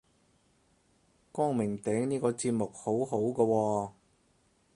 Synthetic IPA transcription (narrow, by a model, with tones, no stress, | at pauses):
kɔː˥ŋmɪ˨˩ŋt̪ɛː˨˥ŋniː˥kɔː˧t͡siː˧p̚mʊ˨k̚ho˨˥wɦo˨˥wkɔː˧wɔː˧